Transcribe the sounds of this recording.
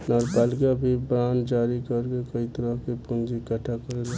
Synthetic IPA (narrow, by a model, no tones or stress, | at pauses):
nɔɾpaːlɪkabʱibɾaːnd͡ʒaːɾikəɾkekəit̪əɾəɦkepund͡ʒikəʈʰakəɾel